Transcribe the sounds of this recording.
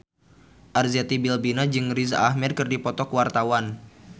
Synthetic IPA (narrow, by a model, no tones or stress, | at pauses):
ʔarzat̪ibilbinad͡ʒɨŋrizaʔahmɛd̚kɨrdipɔt̪ɔkwart̪awan